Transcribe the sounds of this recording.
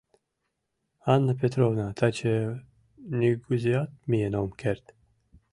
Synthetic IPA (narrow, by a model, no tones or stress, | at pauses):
anːəpet̪ɾovnat̪ʰat͡ʃʰe | nʲiɡuziat̪̚mijenomkʰeɾt̪